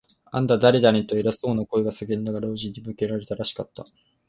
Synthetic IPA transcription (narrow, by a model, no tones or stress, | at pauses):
ã̰nd̪ad̪aɾʲed̪aɲʲit̪o̞eɾaso̞ːnako̞eɡasɨɡẽ̞nd̪aɡaɾoːʑiɲ̟ːimɯ̟ke̞ɾaɾe̞t̪aɾaɕi̥kat̪ːa̰